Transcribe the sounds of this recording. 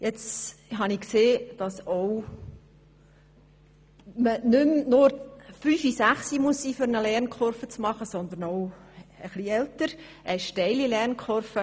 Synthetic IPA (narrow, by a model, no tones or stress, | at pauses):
jɛt͡sɦɑnikseːd̥ɑsow | mənʏmnʊɾfyːfisæχsimuəsːiːfʏɾnəlɛɾnkχɔɾfət͡smɑχəsɔnd̪əɾnoʊəχliɛltəɾ | ʔɛʃtɛɪlilɛɾnkʰχɔɾfə